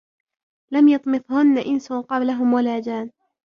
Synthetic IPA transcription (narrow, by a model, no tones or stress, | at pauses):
lamjɑt̪ˤmɨθˤhʊnːaʔɪnsʊqɑblaɦʊmwalaːd͡ʒaːn